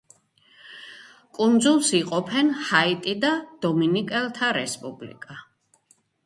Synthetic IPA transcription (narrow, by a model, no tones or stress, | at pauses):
kʼund̪zulˠsiqʼɔpʰɛnhait̪ʼid̪ad̪̥ɔminikʼɛlˠt̪ʰaɾɛspʼublḭkʼa